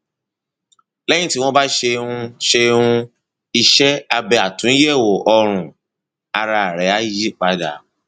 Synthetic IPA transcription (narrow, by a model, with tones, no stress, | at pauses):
lɛ˦j̃ĩ˦˨ti˨˦w̃ɔ̃˦ba˦ʃe˧ũ˧ʃe˧ũ˧ | i˧ʃɛ˦a˧bɛ˧a˨tũ˨˦i˦je˦˨wo˨ʔɔ˧ɾ̃ũ˨ | a˧ɾa˧˨ɾɛ˨˦a˦ji˦k͡pa˨˦da˨˦